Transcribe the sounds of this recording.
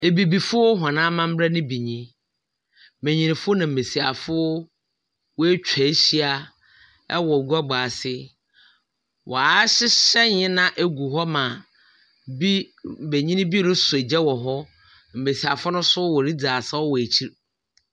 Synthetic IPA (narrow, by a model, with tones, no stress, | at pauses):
e˨bi˨bi˨fʊ˦ɦã˨nã˦mã˦m̩˦bɾa˦nʊ̃˦bi˨ɲĩ˦ | mẽ˨ɲĩ˨nɪ̃˨fʊ˦nã˨m̩˨e˨si˨a˨fʊ˦ | wɔ˦e˦t͡ɕᶣʰæ˨˦ɕi˦a˨ | ɛ̰˦wɔ˨ɡu˦a˦ɡ͡baː˨sɪ˦ | wʔɔ̰˨a˦ɕɪ˦ɕɛ˦ɲɪ̃˦nã˦ʔe˦ɡu˨ɦɔ˦mã˨ | bi˦˨be˨ɲĩ˦nɪ̃˦bi˦˨ʊ˦sʊ˨e˨d͡ʑɛ˦wɔ˨ɦɔ˦ | m̩˨me˨si˨a˨fʊ˦nʊ̃˦sʊ˦wɔ˨ɾi˦d͡zaː˨sa˦ɔ˦wɔ˨e˨t͡ɕʰi˦ɾ